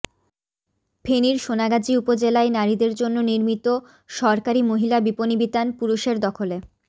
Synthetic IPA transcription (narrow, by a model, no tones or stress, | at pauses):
pʰeniɾʃonaɡad͡ʑiupod͡ʑelaenaɾid̪eɾd͡ʑonːoniɾmit̪o | ʃɔɾkaɾimoɦilabiponibit̪anpuɾuʃeɾd̪ɔkʰole